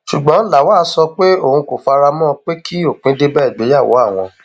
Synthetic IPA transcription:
ʃu˨ɡ͡bɔ̃˨˦la˨waː˦˨˦sɔ˧k͡pe˦o˦˨hũ˧ko˨fa˧ɾa˧mɔ̃˦k͡pe˦kʰi˦o˦˨k͡pĩ˦de˦bɛ˦i˦˨ɡ͡be˨˦ja˦˨wo̰˨˦a˦˨w̃ɔ̃˧

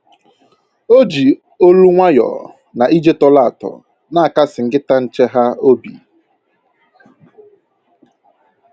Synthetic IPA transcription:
o˦d͡ʒi˨ | o˦lu˦ŋʷa˦jɔ̰˨ | na˨ʔi˦d͡ʒe˦tɔ˦la˦˨tɔ̰˨ | na˦a˨ka˦sɪ˨ŋ̩˨ɡɪ˦ta˦n̩˦t͡ʃe˦ɦa˦o˦bḭ˨

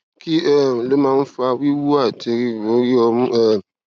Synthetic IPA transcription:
ki˦ɛ˦˨le˦mã˦n̩˦fa˧wi˦wu˦a˦˨te˨ɾi˦wo˨˦ɾi˦ɔ˧m˦ɛ˦˨

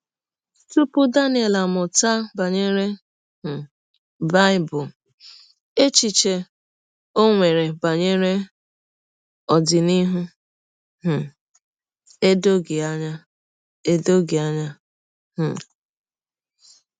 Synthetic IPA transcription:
tu˦pʊ˦da˦nɪ˦e˨la˨mʊ˨ta˦ba˨ɲe˦ɾe˦˨ | ba˦ɪ˦bʊ˨ | e˦t͡ʃi˨t͡ʃe˨ | o˦ŋʷe˨ɾe˨ba˨ɲe˦ɾe˦ | ɔ˨dɪ˨ni˦ɦʊ˦ | ɦ̩˨ | e˦do˦ɡɪ˨a˦ɲa˦ | e˦do˦ɡi˨a˦ɲa˦ | h̩˨

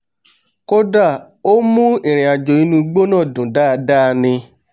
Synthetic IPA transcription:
ko˦da˦˨ | o˦mũ˦e˨ɾ̃ĩ˨a˨d͡ʒo˨ĩ˦nũ˧ɡ͡bo˦nãː˦˨dũ˨da˦˧da˦˧nĩ˧

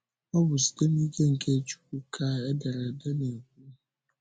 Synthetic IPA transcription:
ɔ˦bʊ˨si̥˨te˦mi˦ke˦ŋ̩˨ke˦t͡ʃu̥˦kʷu˦kʰaː˦ɛ˦da˨ɾa˨da˦ne˨ŋ˨ku˦

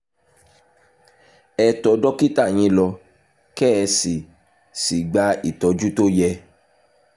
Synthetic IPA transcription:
ɛ˧tɔ˨˦dɔ˦ki˦ta˦˨j̃ĩ˨˧˦lɔ˧ | kɛ˦˧si˨ | si˨ɡ͡ba˧˦i˦˨tɔ˧d͡ʒu˦to˦jɛ˧

